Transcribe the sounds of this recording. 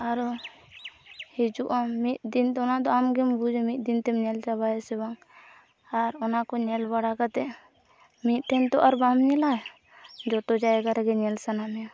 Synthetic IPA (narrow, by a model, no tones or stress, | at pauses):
aɾɔ | hid͡ʒuʔamːit̪̚d̪int̪ɔnad̪ɔamɡɛmbud͡ʒɛmit̪̚ˀd̪int̪ɛmɲɛld͡ʒabajɛsɛbaŋ | aɾɔnakɔɲɛlbaɽakat̪ɛ | mit̪̚ʈʰɛnt̪ɔʔaɾbamɲɛla | d͡ʒɔt̪ɔd͡ʒaɛɡaɾaɡɛɲɛlsanamɛ